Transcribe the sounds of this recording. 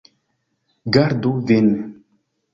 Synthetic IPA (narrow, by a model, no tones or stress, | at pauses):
ɡaɾd̪ovenɛ